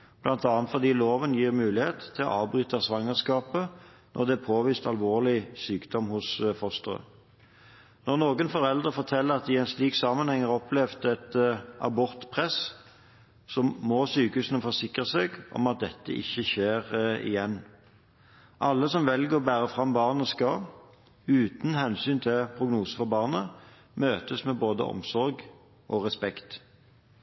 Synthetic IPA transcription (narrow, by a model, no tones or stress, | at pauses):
b̥lɑnt̪ɑːɑnt̪fɔʁd̪iːloːʋənjiːʁmʉːlɪheːt̪ʰːɪlɔ̰ʔɑːʋbʁyːt̪ɑsʋɑŋəʁskɑːpə | nʔɔ̰ʁd̪ɛpʰoːʋiːst̪ɑlʋoːʁlɪsyːkd̪ɔmhʊsfɔst̪əʁə̰ | nɔʁnoːɡənfɔʁɛld̪ʁəfɔʁt̪ʰɛlːəʁɑt̪ɪɛnsliːksɑːmɑnhɛŋːəʁɔplɛʋt̪ɛt̪ʔɑ̰bɔʁt̪pʰʁɛs | sɔmmosyːkəhʉːsənəfɔʁsɪkʁəseɡʔɔ̰mɑt̪̚d̪ɛt̪ːə̰ʔɪ̰çːəçeːʁɪ̰jɛnː | ʔɑlːəsɔmʋɛlɡəʁɔbæːʁəfʁɑmbɑːʁnəskɑ | ʉːt̪n̩hɛnsyːnt̪ʰɪlpʰʁʊɡnuːsə̥fɔbɑːʁnə | møːt̪əsmeboːd̪ə̰ʔɔ̰msɔʁɡ | ʔɔʁɛspɛkt̪